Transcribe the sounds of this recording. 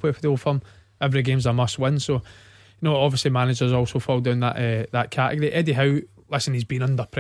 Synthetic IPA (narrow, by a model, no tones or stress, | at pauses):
wefəðolˠfəm | ɛvəɹiɡẽmzəmʌstwɪ̃nso | jənoːɔbviəslˠimanɪd͡ʒə˞zɔlˠsofɔlˠdãʊ̃nðə̰ʔɛðəʔkʰaʔɪ̰ɡəɹiʔɛdiɦaʊ | lˠɪsə̃nizbĩnʌ̃ndə˞pʰɹ̥